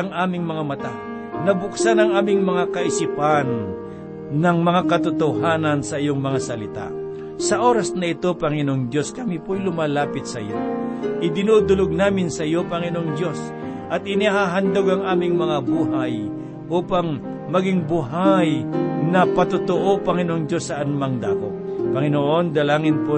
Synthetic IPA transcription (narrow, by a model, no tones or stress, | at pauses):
ɐŋʔaːmɪŋmɐŋamɐt̪a | nɐbʊksanɐŋʔaːmɪŋmɐŋakɐʔɪsipanː | ɐŋmɐŋakɐt̪ʊt̪oɦaːnɐnsɐʔɪjoŋmɐŋasɐlɪt̪a̰ | sɐʔo̞ːɾɐsnɐɪt̪opɐŋɪnoŋd̪jo̞skɐmipojlʊmaːlaːpɪt̪̚sɐɪ̰jo̰ʔɪd̪ɪnud̪ʊloɡ̚naːmɪnsɐɪjopɐŋɪnoŋd̪jo̞s | ʔɐt̪̚ɪniɦaɦand̪oɡɐŋʔaːmɪŋmɐŋabuːɦaj | ʔuːpaŋ | mɐɡɪŋbuɦajnɐpɐt̪ʊt̪oʔopɐŋɪnoʔoŋd͡ʒ̪josːɐʔɐnmaŋd̪a̰ːko̰ʔpɐŋɪnoʔond̪ɐlaːŋɪnpo